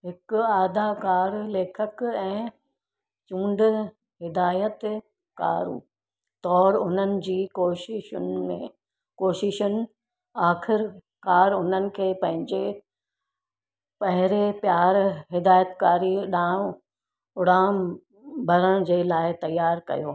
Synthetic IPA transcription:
ɦɪkʊaːd̪ʱakaːɾleːkʰəkɛ̃ː | t͡ɕũːɳɖ | ɦɪd̪aːjət̪ | ka̰ːɾṵː | t̪ɔːɾʊn̤ənɪ̆d͡ʑiːkoːʃɪʃʊnmẽ | koːʃɪʃʊnɪ̆ | aːxɪɾ | kaːɾʊn̤ənɪ̆kʰeːpɐ̃ɦɪ̃ɲd͡ʑe | pɐɦɪɾepjaːɾɦɪd̪aːjət̪kaːɾiɗãːõ | ʊɽaːm | bʱɐɾəɽ̃d͡ʑeːlaːɪt̪ɐjːaːɾkɐ̰joː

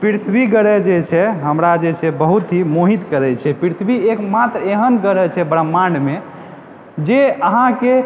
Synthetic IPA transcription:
piɾt̪ʰbiɡəɽɛd͡ʒet͡ʃʰɛɦəmɾad͡ʒet͡ʃʰɛbəɦut̪ɦimoɦit̪kəɾɛt͡ʃʰɛpɾit̪ʰbiekmat̪ɾeɦənɡəɽɛt͡ʃʰɛbɾəmːaɳɖme | d͡ʒeəɦãke

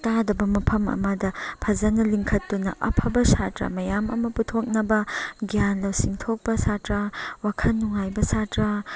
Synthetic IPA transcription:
tadɐbɐmɐpʰɐmɐ̰mɐdɐpʰɐzɐnɐliŋkʰɐtːunɐʔɐ̰pʰɐbɐsatɾɐ̰mɐjamɐ̰mɐputʰok̚nɐbɐɡijanlɐwsiŋtʰok̚pɐsatɾɐwakʰɐnːuŋajbɐsatɾɐ

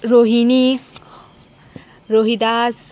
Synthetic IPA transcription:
ɾoɦini | ɾoɦid̪as

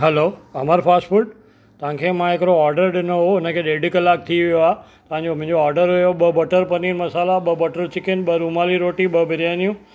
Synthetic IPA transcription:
ɦɛloːɐmaːɾpaːsʈfuʈ̚ | t̪ɐʋ̤ãkʰeːmãɦekɾoɔːɾɖəɾɗɪnoɦoʊnəkʰeːɗeːɖikəlaːk̚t̪ʰiʋijoaː | t̪ɐʋ̤ãɲd͡ʑomʊ̃ɦɪ̃ɲd͡ʑoaːɾɖəɾɦʊjoɓɐbɐʈəɾpɐninmɐsaːlaɓɐbɐʈəɾt͡ɕɪkɪnɓəɾumaːliɾoːʈiɓɐbʱɪɾjaːnijũ

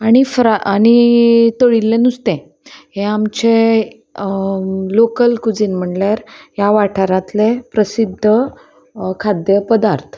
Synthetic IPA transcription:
aɽ̃ifɾaaɽ̃it̪əɭilːẽnust̪ɛ̃ | hẽamt͡ɕe | lokəlkud͡ziːnm̤əɳljaɾjaʋaʈʰaɾãt̪lepɾəsid̪ʱːə | kʰad̪jəpəd̪aɾt̪ʰ

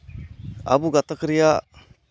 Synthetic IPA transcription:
a̰buɡat̪akɾija

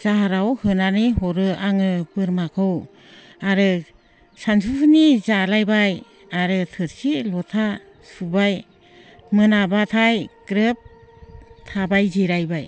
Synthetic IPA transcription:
z̥aɦaɾawhɯnaniɦɔɾɯaŋɯbɯɾmakʰɯw | aɾɯ | sansʰupʰɯnizalajbaj | aɾɯtʰɯɾsilɔtʰa | subaj | mɯnabatʰajkɾɯp̚ | tʰabajziɾajbaj

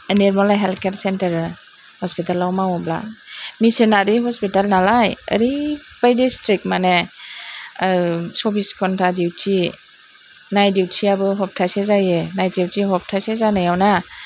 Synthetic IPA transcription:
eneɾmɔlajɦelkʰeɾsentɾ | hɔspitalawmawɔbla̰misenaɾiɦɔspitalnalajə̰ɾipajdistɾik̚mane | sɔpʰiskʰɔntʰadiwtʰi | najdiwtʰiabɯɦɔp̚tʰasezajenajdiwtʰiɦɔp̚tʰajsezanajawna

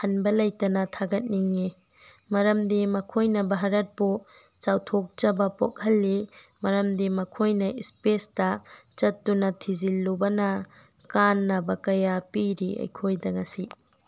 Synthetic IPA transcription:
hɐnbɐlɐjtɐnɐtʰaɡɐt̚niŋːi | mɐɾɐmdemɐkʰojnɐbɐɦɐɾɐt̚pu | t͡ʃawtʰok̚t͡ʃɐbɐpo̰k̚hɐlːimɐɾɐmdemɐkʰojnɐispesdɐt͡ʃɐtːunɐtʰizilːubɐnɐ | kanːɐbɐkɐjapiɾiɐ̰jkʰojdɐŋɐsi

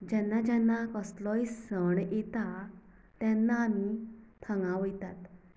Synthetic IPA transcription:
d͡ʑɛnːad͡ʑɛnːakəslɔjsəɳjet̪a | t̪janːaːmit̪ʰəŋɡãʋəjt̪at̪

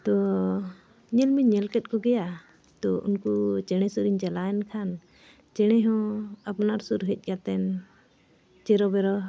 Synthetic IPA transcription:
t̪ɔ | ɲɛlmiɲɛlkɛt̪̚ˀkɔɡɛja | t̪ɔṵnkut͡ʃɛɽ̃ɛsuɾiɲt͡ʃɛlaɛnkʰan | t͡ʃɛɽ̃ɛɦɔ̃apnaɾsuɾɦɛc̚ˀkat̪ɛn | t͡ʃɛɾɔbɛɾɔ

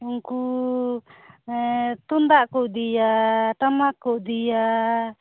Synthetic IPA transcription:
uŋku | t̪und̪aʔkɔʔd̪ijaʈamakːɔʔd̪ija

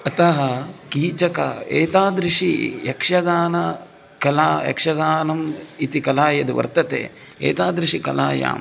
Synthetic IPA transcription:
ɐt̪ɐɦɐkiːt͡ʃɐkɐḛːt̪aːd̪ɾɪʂijɐkʂɐɡaːnɐ | kɐlaːjɐ̰kʂɐɡaːnɐmit̪ikɐlaːjɐd̪iʋɐ̰ɾt̪ɐt̪ḛːḛːt̪aːd̪ɾiʂikɐlaːja̰ːm

